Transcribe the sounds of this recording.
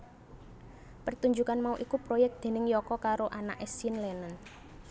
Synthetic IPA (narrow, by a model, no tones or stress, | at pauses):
pərt̪uɲd͡ʒukanmauʔikupɾojɛk̚d̪̥e̤nɪŋjɔkɔkaɾoʔana̰ʔɛsiɪnlɛnən